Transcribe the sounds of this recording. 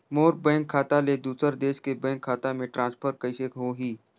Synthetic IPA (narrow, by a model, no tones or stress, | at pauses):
moːɾbɛ̃ːŋkʰːaːt̪aled̪uːsəɾd̪eːʃkebɛ̃ːŋkʰːaːt̪amẽʈɾʔãːnspʰəɾkəɪʃekɦoɦiː